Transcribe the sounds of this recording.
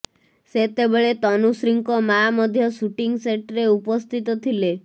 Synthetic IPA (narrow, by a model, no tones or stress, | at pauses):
set̪ebeɭet̪ɔnusɾiŋkɔmamɔd̪ʱjɔsuʈiŋɡseʈɾeupɔst̪ʰit̪ɔt̪ʰile